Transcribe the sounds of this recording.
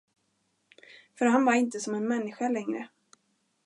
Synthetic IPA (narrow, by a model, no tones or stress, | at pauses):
fœɾɦanvaɾɪnt̪əsɔmɛnmɛnːɪɧalɛŋɾə̰